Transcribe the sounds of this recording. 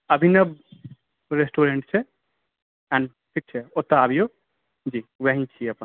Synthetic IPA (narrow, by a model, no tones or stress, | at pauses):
əbʱinəb | ɾesʈoɾeɳʈt͡ʃʰɛ | ɛ̃ɳɖ | ʈʰik̚t͡ʃʰɛot̪aabʱijo | d͡ʒiwaɦĩt͡ʃʰiɐpən